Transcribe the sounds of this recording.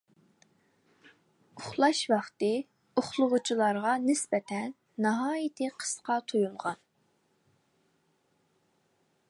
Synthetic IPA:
ʊχlˠɑʃwɑχt̪ɨ | uχlˠʊʁʊt͡ʃʰilˠɑɾʁɑnɪsbɛt̪ʰɛnːɑɦɑːjɪt̪ʰɪqʰə̥sqʰɑt̪ʰojulˠʁɑn

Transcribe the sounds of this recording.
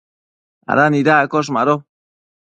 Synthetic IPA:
a̰ɾanidakɔʃ̬maɾo

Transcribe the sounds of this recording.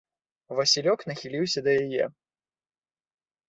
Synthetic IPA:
vɐsʲilʲɔknɐxʲilʲiwsʲɐd̪ɐjajɛ

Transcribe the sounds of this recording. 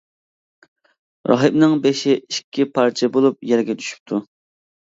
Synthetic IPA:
ɾɑ̰ɦɨbnɨŋbeʃɪiʃkʲʰːipʰɑɾt͡ʃʰɛbolˠup̚jɛɾɡʲɛd̪ʰy̥ʃy̥p̚t̪ʰu

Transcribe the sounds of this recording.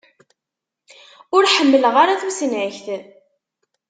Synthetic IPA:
ʊɾħəmːələʁaɾaθusənʕəçθ

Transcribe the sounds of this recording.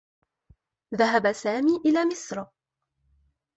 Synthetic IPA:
ðaɦabasaːmiːʔɪlaːmɪsɾ

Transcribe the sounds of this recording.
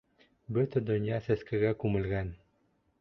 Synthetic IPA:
bɵt̪ɘ̆d̪ŏnʲjɑsæ̆skɘ̆ɣækumɘ̆lʲɣæn

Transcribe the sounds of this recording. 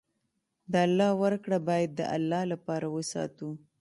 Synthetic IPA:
d̪əalːɑwəɾkɽabɑjad̪̚ːə̰ʔa̰lːɑlapɑɾawəsɑ̰t̪u

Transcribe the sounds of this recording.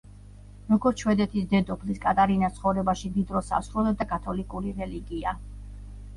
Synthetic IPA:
ɾɔɡɔɾt̪ʃwɛd̪ɛt̪ʰisd̪ɛd̪ɔpʰliskʼat̪ʼaɾinast̪sʰχɔvɾɛbaʃimd̪id̪ɾɔsa̰sɾulˠɛd̪akʼat̪ʰɔlikʼuɾiɾɛliɡia

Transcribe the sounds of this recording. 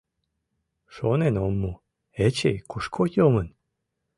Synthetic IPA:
ʃonenomːu | et͡ɕḛjkuʃkʰojomən

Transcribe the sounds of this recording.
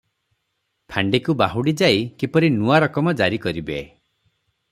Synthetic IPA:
t̪ʰaɳɖikubaɦuɽid͡ʒaikipɔɾinuaɾɔkɔmɔd͡ʒaɾikɔɾibe

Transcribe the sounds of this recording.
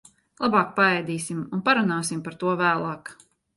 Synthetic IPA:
lˠabɑːk̚paɛjd̪iːsimunpaɾunaːsimpaɾt̪uɔvæːlˠɑːk

